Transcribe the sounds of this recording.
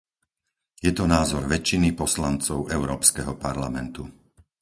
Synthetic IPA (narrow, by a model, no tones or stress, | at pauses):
jɛt̪ɔnaːzɔɾʋɛt͡ʃːinipɔslant͡sɔʊʔɛʊɾɔːpskɛɦɔpaɾlamɛnt̪u